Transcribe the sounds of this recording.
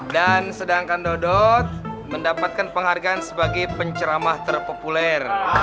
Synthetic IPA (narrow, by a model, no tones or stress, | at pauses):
dansədaŋkandɔdɔt̪̚məndapat̪̚kanpəŋɦarɡaːnsəbaɡajpəɲt͡ʃəɾamaht̪ərpopulɛr